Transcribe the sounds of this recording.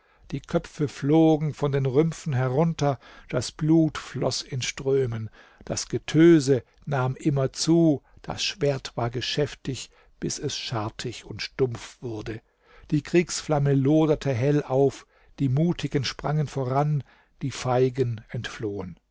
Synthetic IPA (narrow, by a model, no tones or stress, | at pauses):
d̥iːkʰœpp͡fəfloːɡŋ̩fɔndeːnʁʏmfn̩ɦɛʁʊntɐ | d̥asb̥luːtflɔ̰sɪnʃtʁ̥øːmən | d̥asɡ̥ətʰøːzə | naːmʔɪmɐt͡suːd̥a̰sʃv̥eːɐtv̥aːɐɡəʃɛftɪç | b̥ɪsɛsʃaɐtʰɪçʊntʃtʊmp͡fv̥ʊɐdə | d̥iːkʁ̥iːksflaməloːdɐtʰəɦɛlʔaʊf | d̥iːmuːtʰɪɡənʃpʁ̥aŋənfoʁan | d̥iːfaɪɡənɛntfloːən